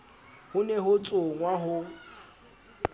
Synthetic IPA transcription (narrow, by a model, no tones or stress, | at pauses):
hʊnɛɦʊt͡sʼʊŋwaɦʊ